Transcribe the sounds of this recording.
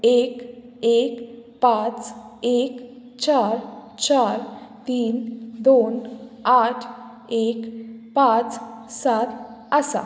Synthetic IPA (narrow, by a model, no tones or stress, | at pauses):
ek | ekpãt͡sek | t͡ɕaɾt͡ɕaɾt̪iːnd̪onaʈʰ | ekpãt͡ssat̪əsa̰